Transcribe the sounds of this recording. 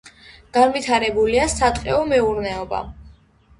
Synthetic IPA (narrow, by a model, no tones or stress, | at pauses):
ɡ̥anvit̪ʰaɾɛbuliasat̪ʼqʼɛɔmɛuɾnɛɔba̰